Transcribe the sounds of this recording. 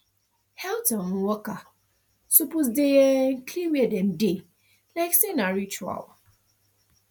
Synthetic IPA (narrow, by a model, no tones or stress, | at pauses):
hɛltɔ̃nwɔka | supus̬deɛn̩kʰliwɛdɛ̃mde | laɪksenaɹit͡ʃua̰l